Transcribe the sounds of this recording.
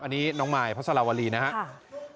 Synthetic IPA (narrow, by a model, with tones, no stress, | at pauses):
ʔa˧nːiː˦˥nɔː˦˥ŋmaː˧jpʰa˦˥t̪̚sʰa˧aː˧˩waː˧liː˧˩na˦˥kʰa˦